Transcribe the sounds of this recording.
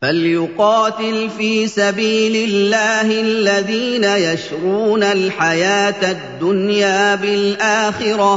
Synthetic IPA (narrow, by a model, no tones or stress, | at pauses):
faljʊqɑːt̪ɪlfiːsabiːlɪlːaːhɪlːaðiːnajaʃɾuːnalħajaːt̪ad̪ːʊnjaːbɪlʔaːxɪɾɑ